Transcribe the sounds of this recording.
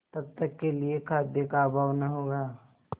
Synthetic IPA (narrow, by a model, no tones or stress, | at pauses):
t̪ɐb̚t̪ɐkːeliekʰaːd̪jəkaːbʱaːʋnaɦoːɡaː